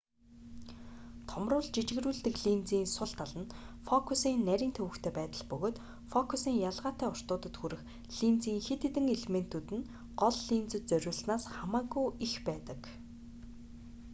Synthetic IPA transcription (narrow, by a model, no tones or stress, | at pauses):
t̪ʰɔmrʊːɮt͡ɕit͡ɕɪ̆ɣ̆ɾuːɮt̪ɘ̆kɮint͡siːnsʊɬt̪ʰaɮə̆nfɔkʰusiːnːæɾʲiːnt̪ʰɵwɘ̆kt̪ʰeːpæːt̪ə̆ɮpɵɣoːt̪ | fɔkʰusiːŋjaɮʁaːt̪æːʊr̥t̪ʊːt̪ə̆t̪xuɾɘ̆x | ɮ̥int͡siːŋxet̪ĕt̪ɘ̆ŋeɮemen̥t̪ʰut̪ɘ̆n | ɢ̥ɔɮːint͡sɘ̆t̪̚t͡sœɾʲʊːɮsnaːsχamaːɣujixpæːt̪ə̆k